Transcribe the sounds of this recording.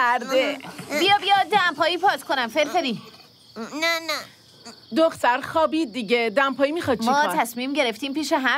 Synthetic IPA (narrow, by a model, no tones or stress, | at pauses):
æɾd̪ebijɒːbijɒd̪æmpʰɒːjiːpʰɒːt̪kʰonæmfeɾfeɾiː | nænæ | d̪oxt̪æɾxɒːbiːd̪̚ːiɟed̪æmpʰɒːjimixɒːd̪̚t͡ʃʰmiɒːt̪ʰæsmiːmɟe̞ɾeft̪iːmpiːʃeɦæ